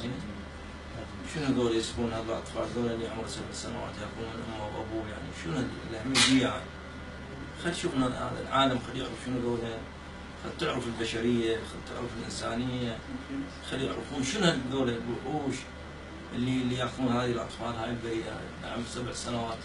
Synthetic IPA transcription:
i | ʃɪnhaðoːlajɪsfuːnhaːðɪlʔɑ̰t̪ˤfɑ̰ːlðoːllːijʕmɾsabʕsanawa̰ːt̪jaxuːnmɪnʔʊmːawʔa̰buːja̰ʕnḭʃɪnhallːaʕmid̪iːʕa | xalːijʃuːfnaha̰ːða̰lʕaːlamxalːjɪ̰ʕɾɨfʃɪnðoːlha | xad̪̚t̪ʊʕɾʊfɪlbaʃaɾɪjːaxad̪̚t̪ʊ̰ʕɾʊfɪlʔɪnsaːnɪjːa | xalːjɪ̰ʕɾfuːnʃɪnhaðoːlabʊʕuːʃ | ʔɪlːilːijaːxðuːnhaːðilʔɑ̰t̪ˤfɑːlhaːjəlbaɾiːʔa̰ | a̰ʕmɾsabʕsanawaːt̪

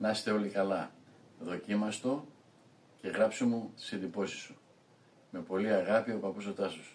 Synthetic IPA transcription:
nɐst̪e̞o̞likɐlɐ | ðo̞cimɐst̪o̞ | ce̞ɣɾɐpsomut̪i̥siend̪ipo̞si̥su | me̞po̞liɐɣɐpiopɐpuso̞t̪ɐsus

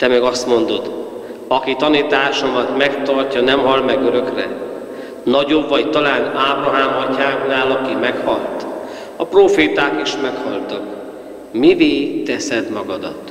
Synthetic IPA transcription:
t̪ɛmɛɡɒst̪mo̞nd̪o̞d̪ | ɒkit̪ɒnit̪aːʃo̞mɒt̪mɛkt̪ɒrcɒnɛmɦɒlmɛɡøɾø̞krɛ̰ | nɒɟo̞bːɒɟt̪ɒlaːnaːbrɒɦaːmɒcːaːŋknaːlɒkimɛkhɒlt̪ | ɒproːfeːt̪aːkiʃmɛkhɒlt̪ɒk | miveːt̪ɛsɛd̪mɒɡɒd̪ɒt̪

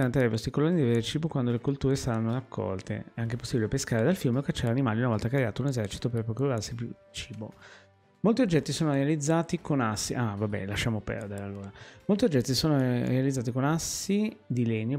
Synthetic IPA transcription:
aɾant̪ɾajvɔst̪ikolːonːid̪iveɾet͡ʃiːbokwand̪olekult̪uːɾesaɾanːoɾakʰːɔ̰lt̪ḛɛaŋkepo̥sːibilepeskaːɾed̪alfjumeokat͡ʃːɛɾanimaːliunavɔlt̪akɾeaːt̪ounezɛrt͡ʃi̥t̪operpɾokuɾarsipju | t͡ʃiːbo̰ | molt̪iod͡ʒːɛt̪ːisoːnoɾealid̪zːaːt̪ikonasːiʔavabɛ̰laʃːaːmopɛ̰rd̪eɾealːoːɾamolt̪iod͡ʒːɛt̪ːisoːnoɾealid̪zaːt̪ikonasid̪ilɛnːo

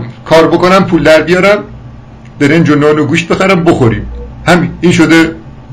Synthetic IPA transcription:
kʰɒːɾbokonæmpʰuːld̪æɾbijɒːɾæm | d̪̥eɾemd͡ʒonɒːnoɡuːʃt̪̚be̞xæɾæmboxoɾḭmhæmiiːnʃod̪e

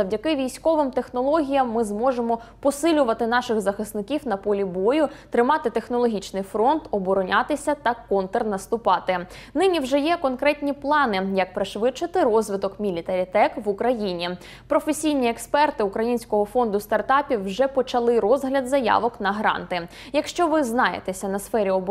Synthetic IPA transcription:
zɐwdʲɐkɪʋʲijsʲkɔʋɪmt̪exnɔlˠɔɦʲijɐmːɪzmɔʒemɔpɔsɪlʲʊʋɐt̪ɪn̪ɑʃɪɣzɐxɪsnɪkʲiwnɐpɔlʲibɔjʊt̪ɾɪmɑt̪ɪt̪e̞xnɔlˠɔɦʲit͡ʃnɪjfɾɔnt̪ɔbɔɾɔnʲɑt̪ɪsʲɐt̪ɐkɔnt̪ernɐst̪ʊpɑt̪ɪ | nɪnʲiwʒɛjɛkɔnkɾɛtʲnʲiplˠɑnɪjɐk̚pɾɪʃʋɪt͡ʃɪt̪ɪɾɔzʋɪt̪ɔkmʲilʲit̪ɐɾʲit̪ɛkʋukɾɐjinʲi | pɾɔfesʲijnʲiekspɛrt̪ɪukɾɐjinʲsʲkɔɦɔfɔnd̪ʊst̪ɐrt̪ɑpʲiwːʒɛpɔt͡ʃɐlˠɪɾɔzɦlʲɐd̪zɐjɑ̰ʋɔknɐɦɾɑ̰nt̪ɪ | jɐkʃt͡ʃɔʋɪznɑjḛt̪esʲɐnɐsfɛɾʲiɔb

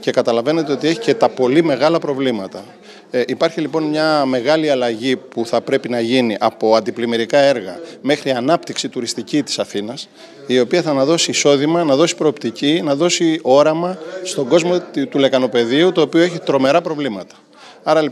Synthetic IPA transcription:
ce̞kɐt̪ɐlɐve̞ne̞t̪e̞o̞t̪ieçi̥ce̞t̪ɐpo̞lime̞ɣɐlɐpɾo̞vlimɐt̪ɐ | ʔipɐɾçilipo̞nmɲɐme̞ɣɐliɐlɐʝipuθɐpɾe̞pinɐʝiniʔɐpo̞ɐnd̪iplimeɾikɐe̞ɾɣɐme̞xɾiɐnɐpt̪iksit̪uɾist̪icit̪i̥sɐθinɐs | io̞piɐθɐnɐðo̞siːso̞ðimɐnɐðo̞si̥pɾo̞ːp̚t̪icinɐðo̞sio̞ɾɐmɐst̪o̞ɡo̞zmo̞t̪ule̞kɐno̞pe̞ðiut̪o̞ːpio̞e̞çit̪ɾo̞me̞ɾɐpɾo̞vlimɐt̪ɐ̥ | ɐɾɐ

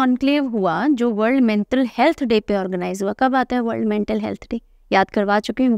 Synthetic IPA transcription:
ɔːnkleːʋɦuad͡ʒoːʋəɾɖmẽɳʈəlhɛlt̪ʰɖeːpeɔːɾɡənaːɪzɦuakɐbaːt̪aɦɛʋɐɾɖmẽɳʈəlɦɛ̰lt̪ʰɖeː | jaːd̪kɐɾʋaːt͡ʃʊki

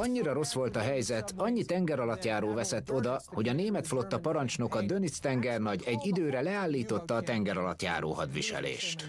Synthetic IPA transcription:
ɒɲːiɾɒɾo̞sʋo̞lt̪ɒɦɛjzɛt̪ɒɲːit̪ɛŋɡɛɾɒlɒt̪jaːɾoːvɛsɛt̪ːo̞d̪ɒho̞ɟɒneːmɛt̪flo̞t̪ːɒpɒɾɒnt͡ʃno̞kɒd̪ønist̪ɛŋɡɛrnɒɟɛɟːid̪øːɾɛlɛaːlːiːt̪o̞t̪ːɒːt̪ɛŋɡɛɾɒlɒ̰t̪ja̰ːɾo̰ːɦɒd̪ʋḭʃɛ̰lḛːʃt̪

